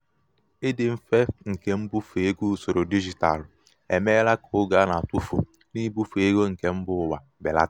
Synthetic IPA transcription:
ɪ˦dɪ˨m̩˦fe˦ŋ̩˨ke˦m̩˦bu˦fu˨e˦ɡu˦˨so˨ɾo˨di˦d͡ʒi˨ta̰˨l | e˨me˦la˦kʊ˦ɡa˦na˨tu˦fṵ˨ | ni˦bu˦fe˦ɡo˦ŋ̩˨ke˦m̩˦bʊ˦˨wa˨ | bɪ̰˨la̰˦

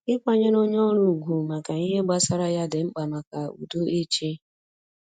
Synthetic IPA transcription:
ɪ˦kʷa˦ɲe˦no˦ɲ˦ɔ˦ɾu˨ɡʷu˨ma˨ka˨i˦ɦe˦ɡ͡ba˦sa˦ɾa˦ja˦dɪ˨ŋ͡m̩˦k͡pa˨ma˨ka˨ṵ˨do˦ʔe˦t͡ʃe˦

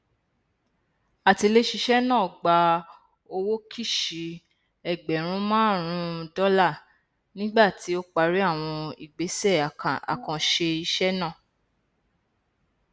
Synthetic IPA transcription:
a˨ti˧le˦ʃi˧ʃɛ˦nãː˦˨ɡ͡ba˧ | o˧wo˦ki˦˨ʃi˨˦ | ɛ˨ɡ͡bɛ˨˦ɾ̃ũ˦mãː˦˨ɾ̃ũ˧dɔ˦la˦˨ | nĩ˦ɡ͡ba˦˨ti˨˦o˦k͡pa˧ɾi˦a˦˨w̃ɔ̃˧ḭ˨ɡ͡be˨˦sɛ˦˨a̰˨kã˨ʃe˧i˧ʃɛ˦nã˦˨

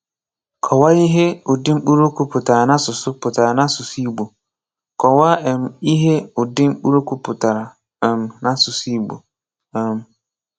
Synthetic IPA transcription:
kʰɔ˨wa˦ji˦ɦe˦ʊ˨dɪ̃˦m˦ɓu˦ɾo˦kʰu˦pʰʊ˨ta˨ɾa˨nã˦sʊ˨sʊ˦pʰʊ˨tʰa˨a˨nã˦sʊ˨siː˦bo˨ | kʰɔ˨wa˦ɛ̃˨mi˦ɦe˦ʊ˨dɪ˦m˦ɓu˦ɾo˦kʰu˦pʰʊ˨tʰa˨ɾa˨ | ɛ̃˨mnã˦sʊ˨siː˦bo̰˨ | ɛ˨m

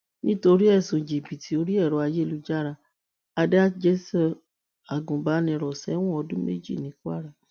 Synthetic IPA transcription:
nĩ˦to˧ɾi˦ɛ˦˨sũ˨d͡ʒi˨bi˨tʰi˨˦o˧ɾi˦ɛ˦˨ɾɔ˨˦a˧je˦˨lu˦d͡ʒa˦ɾa˧ | a˧da˦d͡ʒe˦sɛ˦ | a˨ɡũ˨ba˨˦nĩ˧ɾɔ˨sɛ˨˦w̃ɔ̃˦ɔ˧dũ˦mḛ˦d͡ʒḭ˦˨nĩ˨˦ku˦a̰˦˨ɾa˦˨

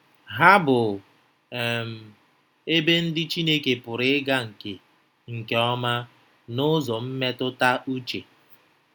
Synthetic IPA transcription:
ɦa˦bʊ˨ | ɛ˨m̩˨ | e˦be˦n̩˦dɪ˦t͡ʃi˦ne˦ke˨pʊ˨ɾɪ˦ɡa˦ŋ̩˨ke˨ | ŋ̩˨ke˨ɔ˦ma˦ | nʊ˦zɔ˨m̩˦me˦tʊ˦ta˦ʔu˦t͡ʃe˨

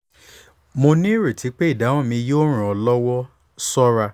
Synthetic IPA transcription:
mo˧nĩ˦ɾe˨tʰi˨˦k͡pe˦i˦˨da˨˦w̃ɔ̃˦mĩ˧joː˦ɾ̃ũ˨ɔ˧lɔ˦wɔ˦ | sɔ˦ɾa˧

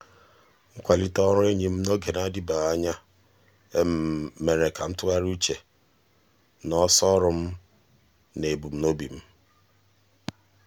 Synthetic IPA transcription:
ŋ̩˦kʷa˨li˦tɔ˦ɾʊ˦e˦ɲi˨m̩˦no˦ɡe˨na˦di˦ba˨ɣa˦ɲa˦ | e˦m˦me˨ɾe˨ka˨m̩˦tʊ˦ɣa˦ɾu˦t͡ʃe˨ | nɔ˦sɔ˦ɾʊ˨m̩˦ | ne˨bu˨m̩˦no˦bi˨m̩˦

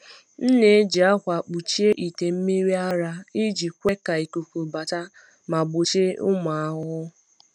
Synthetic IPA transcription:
n̩˦ne˨˦d͡ʒi˨a˦kʷa˨k͡pu˨t͡ʃi˦e˦ʔi˨te˨m̩˦mi˦ɾi˦a˦ɾa˦i˦d͡ʒi˨kʷe˦ka˨i˨ku˨ku˨ba˨ta˦ | ma˨ɡ͡bʊ˨t͡ʃe˦ʊ˦ma˨a˨ɦʊ˦

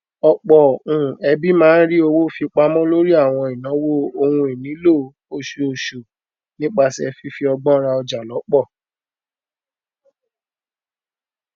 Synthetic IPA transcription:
ɔ˧k͡pɔ˨ũ˨ɛ˧bi˦mãː˦n̩˦ɾi˦o˧wo˦fi˧k͡pa˧˦mɔ̃˦lo˦ɾi˦a˦˨w̃ɔ̃˧i˨nã˨˦wo˦o˧hũ˧e˨nĩ˨˦lo˦˨˦ | o˦˨ʃe˧o˨ʃo˨ | nĩ˦k͡pa˧si˦ɛ˧fi˦fi˦ɔ˧ɡ͡bɔ̃˦ɾa˧ɔ˧d͡ʒa˨lɔ˨˦k͡pɔ˦˨

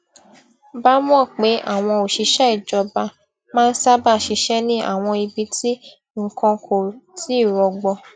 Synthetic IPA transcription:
ba˦mũ˦ɔ˦˨k͡pe˨˦ʔa̰˦˨w̃ɔ̃˧o˨ʃi˨˧ʃɛ˦i˦˨d͡ʒɔ˧ba˧ | mãː˦n̩˦sa˦ba˦˨ʃi˧ʃɛ˦nĩ˦ʔa̰˦˨w̃ɔ̃˧i˧bi˧ti˦ | ŋ̩˨kɔ̃˧kʰo˨ti˨˦i˦˨ɾɔ˧ɡ͡bɔ˧

